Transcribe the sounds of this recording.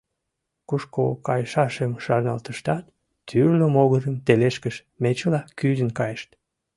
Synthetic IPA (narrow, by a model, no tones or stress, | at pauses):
kuʃkokɑjʃɑʃəmʃɑrnɑlt̪əʃt̪ɑt̪̚ːʰ | yrləmoɣəɾəmt̪eleʃkəʃ | met͡ɕəlɑkyzənkɑjəʃt̪